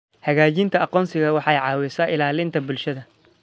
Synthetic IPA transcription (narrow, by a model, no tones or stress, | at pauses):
hɐɣaːt͡ʃint̪ʰɐɑqɔːnsɪɣɐwɑħɑjʕɑːwɪsɐʔɪlaːlɪnt̪ʰɐbʊlʃɐðɐ